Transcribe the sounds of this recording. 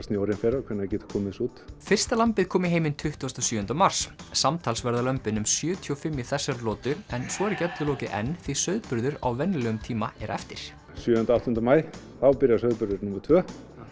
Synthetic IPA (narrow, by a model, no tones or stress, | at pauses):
st̪njowɾɪnfɛɾakʰvɛɾnacɛːt̪ḁkʰɔːmɪsuːt̪fɪr̥st̪alampɪðkʰɔːmɪɦeːjmɪnt̪ʰʏht̪ɔst̪ɔsjʏːʏnt̪amaɾ̥ssamt̪ʰaːlsvɛɾðalœmpɪnʏmsjœːt̪ʰiɔfɪmːjɪθɛsːaɾlɔːt̪ʏɛnsɔɛɾcɛt̪lʏlɔːcɪʔɛ̰nːθisœɥðpʏɾðʏɾa̰wvɛnːlœːɣʏmt̪ʰiːmaɛɾɛ̰ft̪ɪɾ̥ | sjœːʏnt̪awht̪ʏnt̪amaːj | θawpɪɾjasœɥðpʏɾðʏɾnʊmaɾt̪ʰvœː